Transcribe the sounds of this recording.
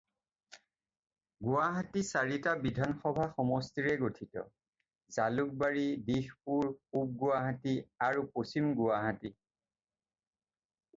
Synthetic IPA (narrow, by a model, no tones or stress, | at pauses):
ɡʊwaɦatisaɹitabidʱanxɔbʱaxɔmɔstiɹɛɡotʰitɔ̰ | zaluk̚baɹidixpuɹup̚ɡʊwaɦatiaɹuposimɡʊwaɦati